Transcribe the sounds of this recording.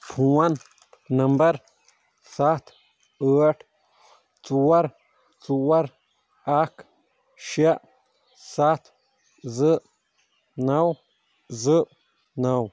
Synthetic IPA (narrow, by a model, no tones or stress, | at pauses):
pʰũan | nə̃mbəɾ | sat̪ | əaʈ | t͡suwaɾ | t͡suwaɾ | ak | ʃaʔ | sat̪ | zɨʔ | naw | zɨʔ | naw